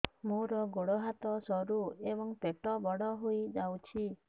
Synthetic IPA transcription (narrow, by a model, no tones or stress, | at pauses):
muɾɔɡoɽɔɦat̪ɔsɔɾuebɔŋpeʈɔbɔɽɔɦojd͡ʒawt͡ʃʰi